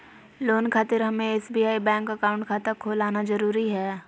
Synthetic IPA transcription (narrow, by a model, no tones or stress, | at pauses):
loːnkʰaːt̪ɪɾɦɐmẽeːsbiːaːibɛ̃ːŋkɐkaːʊ̃ɳʈkʰaːt̪əkʰoːlaːnazɐɾuːɾiɦɛː